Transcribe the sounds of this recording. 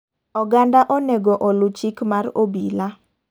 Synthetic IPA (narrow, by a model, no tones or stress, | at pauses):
ɔɡandaʔonɛɡɔʔolut͡ʃikmaɾobila